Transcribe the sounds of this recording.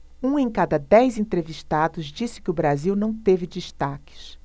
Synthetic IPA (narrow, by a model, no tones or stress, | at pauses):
ũẽj̃kad̪ɐd̪ɛjzẽnt̪ɾeviʃt̪ad̪ʊzd͡ʒisɪ̥kɪʊbɾaziwnɐ̃w̃t̪evɪd͡ʒiʃt̪akɪ̥s